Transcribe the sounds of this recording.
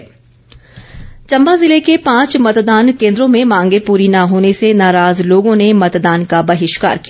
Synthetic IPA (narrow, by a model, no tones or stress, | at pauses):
t͡ʃɐ̃mbazɪlekepãːt͡ʃmɐt̪d̪aːnkẽːnd̪ɾõmẽmãːŋɡepuːɾinaɦoːnesenaːɾaːzloːɡõnemɐt̪d̪aːnkabɐɦɪʃka̰ːɾki